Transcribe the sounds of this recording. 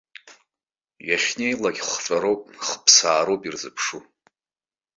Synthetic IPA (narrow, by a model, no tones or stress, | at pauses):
jaχʲne̞jlaɡʲχʷʈ͡ʂʷʼaɾowpʼχəpʰsaːɾowpʼirzɨpʰʂu